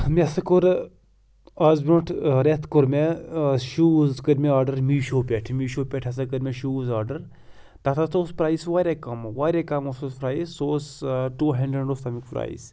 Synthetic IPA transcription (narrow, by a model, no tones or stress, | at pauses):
mesɐkoɾ | azboʈʰɾet̪ʰkoɾmeʃuːzkəɾmeaːɾɖɐɾmiːʃoːpʲeʈʰmiːʃoːpʲeʈʰɐs̬ɐkəɾmʲeʃuːzaːɾɖɐɾ | t̪at̪ʰat̪oːspɾaːisʋaːɾʲekɐmʋaːɾekamosoːspɾaːisːoːsʈuːɦɐɳɖɾeɳɖoːft̪ʰɐmikpɾa̰ːḭs